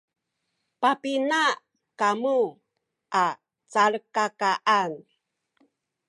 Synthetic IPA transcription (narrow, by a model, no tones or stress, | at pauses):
papina | kamu | ʔa | t͡saɭkakaʔan